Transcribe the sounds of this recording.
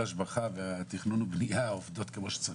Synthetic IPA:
aʃbaχaveat̪iχnunubnijaovd̪o̞t̪kemo̞ʃe̥t͡sa

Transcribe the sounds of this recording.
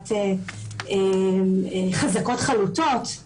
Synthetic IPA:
teemeχazako̞t̪χalutot̪

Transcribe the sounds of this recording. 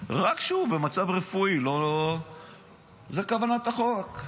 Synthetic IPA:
ʁakʃube̞mat͡savʁefuilo̞ | zekavanat̪aχok

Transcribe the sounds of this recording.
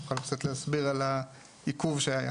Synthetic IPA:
χalpt͡sat̪leasbiʁala | ikuvʃeaja̰

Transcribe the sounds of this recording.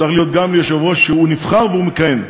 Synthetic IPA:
aχlijo̞t̪̚ɡamlejeʃavo̞ʃeunifχaʁveumekajen

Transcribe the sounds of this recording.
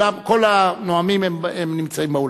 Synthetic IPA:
amko̞lanoamimememnimt͡saimbeul

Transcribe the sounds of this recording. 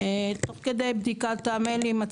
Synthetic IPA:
et̪oχked̪ejbd̪ikat̪ːamelima

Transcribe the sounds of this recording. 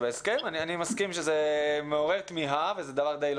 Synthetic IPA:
beeskemanianimaskimʃezemeo̞ʁe̞ʁt̪miɦavezed̪avaʁd̪ejl

